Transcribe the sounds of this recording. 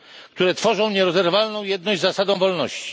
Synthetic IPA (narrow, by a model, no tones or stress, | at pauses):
kt̪uɾɛt̪fɔʐɔ̃w̃ɲɛɾɔzɛɾvalnɔ̃w̃jɛd̪nɔʑd͡ʑʲzasad̪ɔ̃w̃vɔlnɔɕt͡ɕi̥